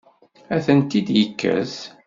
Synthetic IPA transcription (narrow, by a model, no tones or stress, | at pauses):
æθənt̪id̪jəkːæ̰s